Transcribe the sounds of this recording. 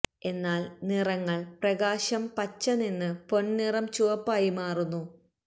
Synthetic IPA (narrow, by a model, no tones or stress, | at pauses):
e̞nːaːlnirɐŋːɐɭprɐɣaːɕɐmpɐt͡ɕːɐninːɨpo̞ɳnirɐmt͡ɕuʋɐpːaːjimaːrunːu